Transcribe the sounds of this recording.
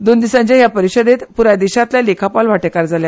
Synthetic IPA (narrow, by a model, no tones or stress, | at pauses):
d̪ond̪isãɲt͡ɕaɦjapəɾiɕəd̪et̪puɾad̪iɕãt̪ljalekʰapalʋaʈekaɾd͡zalja